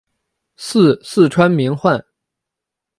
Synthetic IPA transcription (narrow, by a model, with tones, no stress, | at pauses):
sɹ̩˥˧sɹ̩˥˩ʈ͡ʂʰwa˥nmi˧˥ŋxwa˥˩n